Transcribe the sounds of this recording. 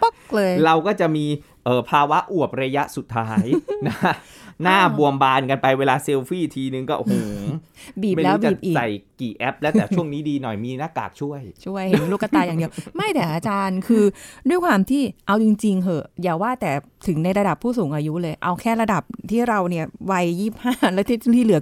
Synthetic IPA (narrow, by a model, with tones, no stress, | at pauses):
po˥˩k̚lɤː˧jɾa˧wkɔː˥˩t͡ɕa˨˩ʔmiː˧ | ʔɤː˨˩pʰaː˧wa˦˥ʔu˨˩əp̚ɾa˧ja˦˥ʔsu˨˩t̪ʰːaː˦˥jna˦˥ka˦˥naː˥˩bu˨˩əmbaː˧nka˧npa˧jweː˧laː˧se˧wfiː˥˩t̪ʰiː˧nɯ˨˧ŋkɔː˥˩huː˨˩˦ŋ | biː˨˩ma˥˩jlɛː˦˥˦bt͡ɕa˨˩p̚ʔiː˨sa˨˩jkiː˨˩ʔɛ˦˥p̚lɛ˦˥t̪ɛː˨˩u˥˩əŋniː˦˥diː˧nɔ˨˩jmiː˧naː˥˩ka̰ː˨˩k̚t͡ɕʰu˥˩əjt͡ɕʰu˥˩əjhe˩˦lu˦˥˩kːa˧t̪aː˧jaː˨˩di˧əwma˥˩jt̪ʰɛː˨˩˦ʔaː˧t͡ɕaː˧nkʰɯː˧du˥˩əjkʰwaː˧mt̪ʰiː˥˩ʔa˧wt͡ɕi˧ŋt͡ɕi˧ŋhʰɤ˧˩jaː˨˩waː˥˩t̪ɛː˨˩ | t̪ʰɯ˩˦ŋna˧jɾa˧da˨˩pʰːuː˥˩suː˩˦ŋʔaː˧ju˦˥lɤː˧jʔa˧wkʰɛː˥˩ɾa˧da˨˩p̚t̪ʰiː˥˩ɾa˧wni˥˩ɐwa˧jːiː˥˩p̚haː˥˩lɛː˦˥wt̪ʰiː˥˩˥iː˥lɯ˨˩˦ɐ